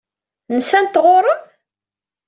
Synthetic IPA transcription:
nəsænt̪ːʁoɾˤə

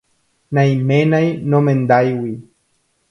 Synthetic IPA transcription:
nãjmẽnãjnõmẽnd̪ajwi

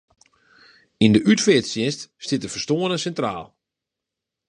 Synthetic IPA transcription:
indəʔytfɪtsjɪnststɪtəfərstoːənəsɛntra̰ːlˠ

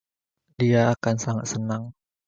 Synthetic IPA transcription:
diaːkansaŋat̪̚sənaŋ

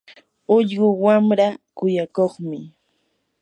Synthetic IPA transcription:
ʊʎɢʊwamɾakʊjakoχmɪ

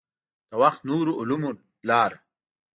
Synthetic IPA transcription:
d̪̥əwɐxt̪nuːɾuʔʊlumu | laːɾ

